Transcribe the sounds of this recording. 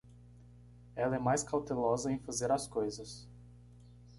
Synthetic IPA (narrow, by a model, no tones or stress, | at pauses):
ɛlɐɛmajskawt̪elɔzɐẽj̃fazeɾɐskojzɐs